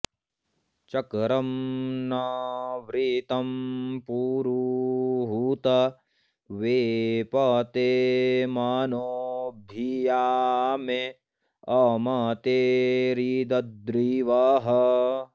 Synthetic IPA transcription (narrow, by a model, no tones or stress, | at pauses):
t͡ʃɐkɾɐmnɐʋɾiːt̪ɐmpuːɾuɦuːt̪ɐ | ʋeːpaːt̪eːmaːnoːbʱiːjaːme | ɐːmaːt̪eːɾiːd̪ɐd̪ɾiːʋaːɦɐ